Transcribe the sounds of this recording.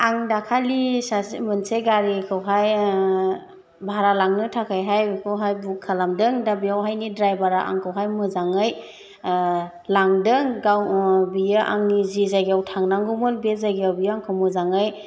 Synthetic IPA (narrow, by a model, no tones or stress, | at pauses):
aŋdakʰalisasmɯnseɡaɾikʰɯwɦaj | bʱaɾalaŋnɯtʰakʰajɦajkʰɯwɦajbukʰalamdɯŋdabijawɦajnidɾajbaɾaʔa̰ŋkʰawɦajmɯzaŋɯj | laŋdɯŋɡawbijɯʔa̰ŋnizizaɡijawtʰaŋnaŋɡumɯlbezaɡiawbijaaŋkʰawmɯzaŋɯj